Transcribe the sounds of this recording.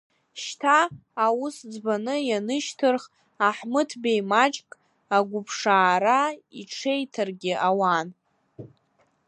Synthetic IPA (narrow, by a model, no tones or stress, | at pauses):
ʃtʰaːwʊsd͡zbanɨjanɨʃtʰɨrχ | aħmɨtʰbejmat͡ʃʼkʼ | aɡʷʊpʰʂaːɾaiʈ͡ʂʰe̞jtʰarɡʲɪʔawan